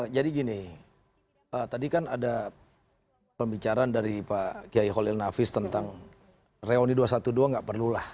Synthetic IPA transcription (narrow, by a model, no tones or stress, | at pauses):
d͡ʒadiɡinɪ | ət̪adikanada | pəmbit͡ʃaɾandaɾipakiaiɦolɪlnafɪst̪ənt̪aŋ | reoniduasat̪uduaŋɡaʔpərlulah